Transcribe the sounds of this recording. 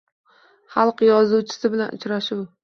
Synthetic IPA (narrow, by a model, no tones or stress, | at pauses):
χɑlˠqjɒzuwt͡ʃʰɪ̥sɪbɪlanʔʊ̰t͡ʃɾaʃuw